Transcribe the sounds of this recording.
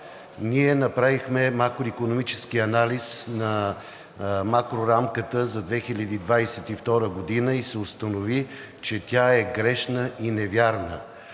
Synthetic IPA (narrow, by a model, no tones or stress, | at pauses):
niɛnɐpɾavixmɛmakɾoikonomit͡ʃɛskiɐnalʲisnɐ | makɾoɾamkət̪əzɐd̪vɛxilʲəd̪iːd̪vajsɛt̪ift̪ɔɾəɡod̪inəisɛʊst̪ənovi | t͡ʃɛt̪ʲaɛɡɾɛʃnəʔinɛvʲjaɾnə